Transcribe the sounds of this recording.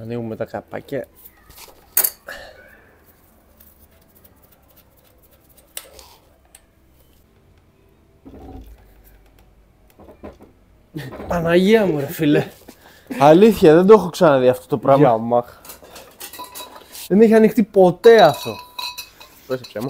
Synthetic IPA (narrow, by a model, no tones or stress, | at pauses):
ɐniɣumet̪ɐkɐpɐ̰ce | pɐnaʝiɐmuɾefile | ɐliθçɐðe̞nd̪oexoksɐnɐðiɐft̪ot̪opɾavmɐmɐ | ðe̞neçiɐnixt̪ipo̞t̪e̞ɐft̪o̞ | esepsemɐ